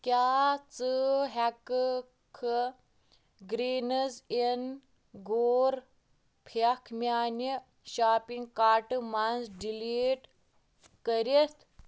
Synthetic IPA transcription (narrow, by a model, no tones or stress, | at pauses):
kʲjaːt͡sɨɦak | kʰɨ | ɡɾiːnəzen | ɡoːɾ | pʰɐkʰmʲaːni | ʃaːpiŋɡkaːʈɨmanzɖiliːʈ | kəɾʲit̪ʰ